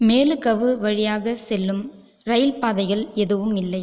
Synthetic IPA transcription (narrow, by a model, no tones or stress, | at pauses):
meːlɯkɐʋɯʋɐɻɪjaːɣɐsɛlːɯm | ɾɐjɪlpaːðɐɪɣɐɭɛðɯʋɯmɪlːɐɪ